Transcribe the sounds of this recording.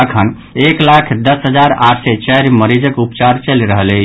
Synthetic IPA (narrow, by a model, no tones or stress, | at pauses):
əkʰən | eklakʰd̪əsɦəd͡ʒaɾaʈʰsɛt͡ʃəɾməɾid͡ʒəkupt͡ʃaɾt͡ʃəlɾəɦəle